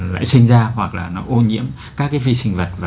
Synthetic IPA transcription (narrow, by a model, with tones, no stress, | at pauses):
la̰ː˧˨jsï˧ŋ̟zaː˧hwa˨˩k̚laː˨˩nɔ˨˦ʔo˧nɲḭ˧˥əm | kaː˦˥k̚ːaː˨˦jvi˧sï˧ŋ̟və˨˩t̚vaː˨˩